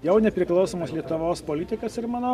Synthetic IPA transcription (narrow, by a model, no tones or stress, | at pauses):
jɛʊnʲɛpʲɾʲɪklˠɒʊsoːmɐslʲiɛt̪ʊʋoːspoːlʲɪt̪ʲɪkɐsɪɾmɑːnoː